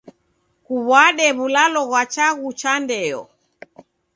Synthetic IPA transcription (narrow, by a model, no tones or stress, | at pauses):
kuβwaɗɛβulalɔɣwat͡ʃaɣut͡ʃandɛɔ̰